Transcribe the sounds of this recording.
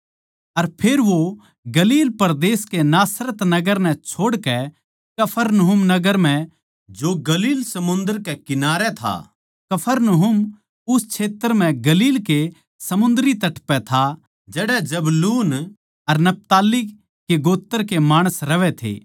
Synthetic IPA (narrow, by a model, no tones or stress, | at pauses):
ɐɾpʰeːɾʋo | ɡɐliːlpɐɾd̪eːskenaːsɾət̪nɐɡəɾnɛ̃t͡ʃʰoːɽkɛ | kɐpʰəɾnɐɦʊmnɐɡəɾm̤ɛ̃ | d͡ʒoɡɐliːlsɐmʊ̃nd̪əɾkɛkɪnaːɾɛt̪ʰa̰ː | kɐpʰəɾnɐɦʊm | ʊst͡ʃʰeːt̪əɾm̤ɛ̃ɡɐliːlke | sɐmʊ̃nd̪ɾit̪ɐʈpɛt̪ʰa | d͡ʒɛːɽɛd͡ʒɐbluːn | ɐɾnɐp̚t̪aːli | keɡoːt̪ːəɾkemaːɽ̃əsɾɐʋɛt̪ʰḛː